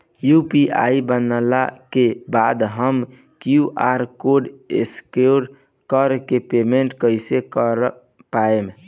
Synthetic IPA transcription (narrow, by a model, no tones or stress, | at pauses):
jupiʔa̰jbənəla̰kebad̪ɦəm | kjuʔaɾkoɖḛskeoɽ | kəɾkepemeɳʈkəjsekəɾ | paem